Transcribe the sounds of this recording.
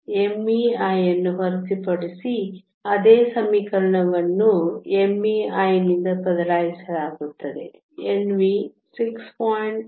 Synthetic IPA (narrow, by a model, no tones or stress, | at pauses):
emːiaːjɐnːuɦɐɾisipɐɽisi | ɐd̪eːsɐmikɐɾɐɳɐʋɐnːuemːiaːjnind̪ɐbɐd̪ɐlaːjisɐlaːɡut̪ːɐd̪e̞ | enʋi | sikspaːjɳʈ